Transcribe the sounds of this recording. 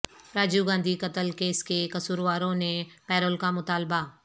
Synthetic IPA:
ɾaːd͡ʒuɡãːnd̪ʱikɐt̪əlkeːskekɐsuːɾʋaːɾõnẽpɛːɾəlkamʊt̪aːlba

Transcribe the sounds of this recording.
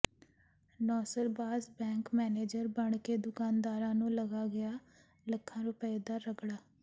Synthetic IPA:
nɔːsəlbaːsbɛ̃ːŋkmɛːneːd͡ʒəɾbəɳkeːd̪ʊkaːnd̪aːɾãːnũːləɡaːɡɪjaː | ləkʰːãːɾoːpɛːd̪aːɾəɡɽaː

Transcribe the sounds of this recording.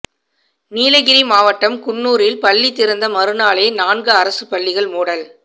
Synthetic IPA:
niːlɐɣɪɾimaːʋɐʈːɐmkʊnːuːɾɪlpɐɭːit̪ːɪɾɯnd̪ɐmɐɾɯnaːɭeːnaːnɡɯɐɾɐsɯpɐɭːɪɣɐɭmuːɽɐl

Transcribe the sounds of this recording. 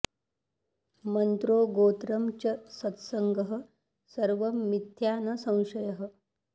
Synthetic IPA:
mənt̪ɾoːɡoːt̪ɾɐmt͡ɕəsɐt̪səŋɡəɦə̆ | səɾʋəmːit̪ʰjanɐsɐ̃w̃ɕɐjəɦə̆

